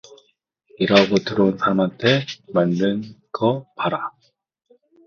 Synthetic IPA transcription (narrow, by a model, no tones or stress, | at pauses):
iɾaɡotɯɾonsamantʰemandɯnkʌpaɾa